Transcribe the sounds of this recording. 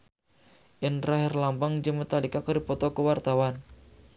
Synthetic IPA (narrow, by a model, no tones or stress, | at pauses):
ʔɪnraɦɪrlampaŋd͡ʒəmət̪alikakəɾipɔt̪ɔkəwart̪awan